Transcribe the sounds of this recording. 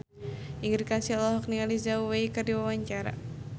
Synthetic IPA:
iŋəɾkansialɔɦɔknializaweikɨrdiwawaɲt͡ʃaɾa̰

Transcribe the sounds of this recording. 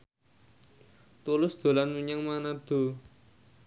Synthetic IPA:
t̪ulʊsd̪̥o̤lanmuɲaŋmanad̪̥o̤

